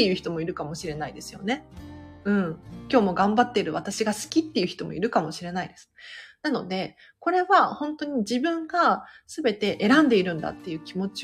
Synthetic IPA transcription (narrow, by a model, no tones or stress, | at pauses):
ejɯ̟çi̥t̪o̞mo̞iɾɯ̟kamo̞ɕiɾe̞naid̪e̞sɨ̥jo̞̰ne̞ɯ̟̃ɴkʲo̞ːmo̞ɡãmbat̪ːe̞iɾɯ̟βat̪aɕiɡasɨ̥kʲit̪ːejɯ̟çi̥t̪o̞mo̞̰ḭɾɯ̟kamo̞ɕiɾe̞naid̪e̞sɨ̥nano̞d̪e̞ | ko̞ɾe̞βahõ̞nt̪o̞ɲ̟id͡ʑibɯ̟̃ŋɡasɨbe̞t̪e̞ʔeɾãnd̪e̞iɾɯ̟̃nd̪a̰t̪ːe̞jɯ̟ːkʲimo̞t͡ɕi